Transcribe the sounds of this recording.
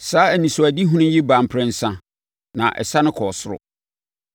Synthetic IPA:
saː˦æ˨nĩ˨sʊ˨æ˨di˦ɦũ˦nʊ̃˦ji˦bã˨m˨pʰɾɪ̃˦n̩˦sã˦ | nã̰˨ʔɛ̰˨sa˦nʊ̃˦kʰɔ˨sʊ˦ɾʊ̰˨

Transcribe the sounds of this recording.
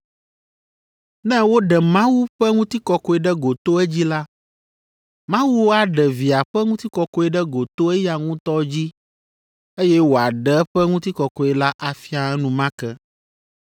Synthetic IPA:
nɛ̃˦wo˦ɖɛ˨mã˦wu˦ɸɛ˦ŋũ˦t̪i˦kɔ˨kɔ˨˦ɛ˨ɖɛ˦ɡo˨t̪o˦ɛ˦d͡ʑi˦la˦ | mã˦wu˦wo˦a˨ɖɛ˨vi˨a˨ɸɛ˦ŋũ˦t̪i˦kɔ˨kɔ˦ɛ˦ɖɛ˦ɡo˨t̪o˦ɛ˦ja˨ŋũ˦t̪ɔ˦d͡ʑi˦ | e˦jɛ˦wo˨a˨ɖɛ˦ɛ˦ɸɛ˦ŋũ˦t̪i˦kɔ˨kɔ˨ɛ˨la˦ʔa˨fi˦a˨ɛ˦nũ˨mã˦kɛ˦

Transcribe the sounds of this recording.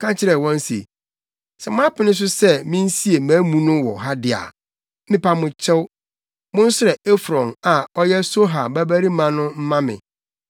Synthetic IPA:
kʰã˦t͡ɕʰɪ˦ɾɛ˨wɔ̃˦n˦sḛ˨ | sɛ˨mʊ̃˦a˦pɪ˦nɪ̃˦s̬ʊ˦sɛ˦mĩ˦n̩˦si˦e˨mãː˨˦mũ˦nʊ̃˦wɔ̰˨ɦa˦dɪ˦˨a̰˨˦ | mɪ̃˦pʰa˦mʊ̃˨t͡ɕʰɛ˦w | mʊ̃˦n̩˦sʊ˦ɾɛ˨e˦fɾɔ̃˨na˨ɔ˦jɛ˦so˦ɦa˨bæ˦bæ˦ɾi˦mã˨nʊ̃˦m̩˦mã˦mɪ̰̃˨

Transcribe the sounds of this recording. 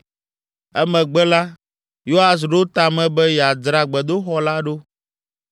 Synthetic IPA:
ɛ˦mɛ̃˨ɡ͡bɛ˦la˦ | jo˦ɦa˨s̬ɖo˦t̪a˨mɛ̃˨bɛ˦jɛ˨a˨dɾa˨ɡ͡bɛ˨d̪o˦xɔ˦la˦ɖo˦

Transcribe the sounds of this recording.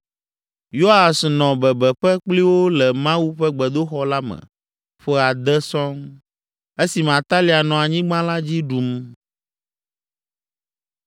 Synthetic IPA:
jo˦a˨snɔ̃˨bɛ˨bɛ˨ɸɛ˦k͡pli˦wo˦lɛ˨mã˦wu˦ɸɛ˦ɡ͡bɛ˨d̪o˦xɔ˦la˦mɛ̰̃˨ | ɸɛ˦a˨d̪ɛ˦sɔ̃˦ŋ | e˦si˨mã˨t̪a˦li˨a˨nɔ̃˨a˨ɲĩ˦ɡ͡bã˦la˦d͡ʑi˦ɖu˨m

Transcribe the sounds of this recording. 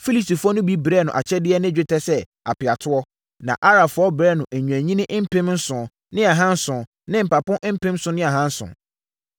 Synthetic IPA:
fi˦li˨sti˨fʊ˦ɔ˦nʊ̃˦bi˦bɾɛ˦˨nʊ̰̃˨ʔa̰˨t͡ɕʰɛ˦dɪ˦ɛ˦nɪ̃˦d͡ʑᶣɪ˦tʰɛ˦sɛ˦ | a̰˨pɪ˨a˨tʰʊ˦ɔ˦ | nã̰˨ʔa˦ɾa˨fʊ˦ɔ˦bɾɛ˦nʊ̃˨ʔæ˨ɲũ˨æ˨ɲĩ˦nɪ̃˦ʔm̩˦pʰẽ˦mn̩˦sʊ̃˨ | nɪ̃˦a˨ɦã˦n̩˦sʊ̃˨ | nɪ̃˦m̩˨pa˨pʊ̃˦ʔm̩˦pɛ̃˦m˦sʊ̃˦nɪ̃˦a˨ɦã˦n̩˦sʊ̰̃˨

